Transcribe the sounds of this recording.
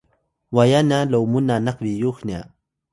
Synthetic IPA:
wajanalowmʊnanaχmijoχna̰

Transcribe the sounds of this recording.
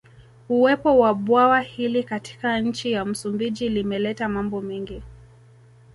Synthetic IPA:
uwɛpɔwaɓwawahilikati̥kaɲ̩t͡ʃijam̩sumbid͡ʒilimɛlɛtamambɔmɛŋɡi

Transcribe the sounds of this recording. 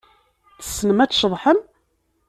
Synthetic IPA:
θə̥sːnəmæt͡sːʃəðˤħəm

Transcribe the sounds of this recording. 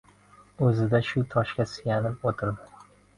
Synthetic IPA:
ɵzɪd̪aʃʊt̪ʰɒʃkʲasɪjanɪp̚ot̪ʰɪɾd̪ɪ

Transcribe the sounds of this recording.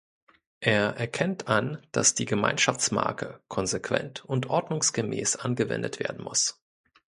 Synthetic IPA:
ʔeːɐʔɛɐkʰɛntʰʔand̥asd̥iːɡəma̰ɪnʃaft͡sma̰ɐkʰəkʰɔnzekv̥ɛ̰ntʊntʔɔɐdnʊŋsɡ̥əmɛːsʔanɡəvɛ̰ndətv̥ḛːɐdn̩mʊs

